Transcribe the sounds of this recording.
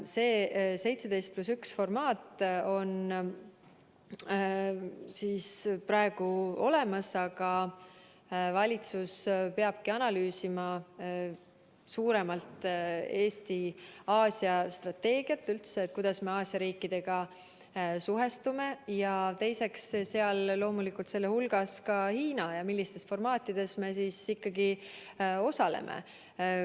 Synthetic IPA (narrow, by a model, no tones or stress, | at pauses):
se̞ːse̞jt̪sed̪e̞jst̪̚plusyksfo̞rmɑːt̪o̞n | siːspɾɑeɡ̥uo̞̰le̞mɑsɑɡ̥ɑ | vɑlʲit̪suspe̞ɑb̥kiɑnɑlyːsimɑ | suːɾe̞mɑlt̪ˑe̞ːst̪iɑːsʲjɑst̪rɑt̪ːe̞ːɡ̥iɑt̪ːylt̪seːt̪̚ˑkujd̪̥ɑsme̞ɑːsjɑɾiːkːˑid̪̥e̞ɡ̥ɑ | suɦe̞st̪ume̞jɑt̪e̞jse̞ksse̞ɑlːo̞ːmulikˑult̪se̞lːehulɡ̥ɑskɑhiːnɑjɑmilʲːist̪e̞sfo̞rmɑːt̪ːˑid̪̥e̞sme̞sisikːɑɡi | o̞sɑlḛmʔḛ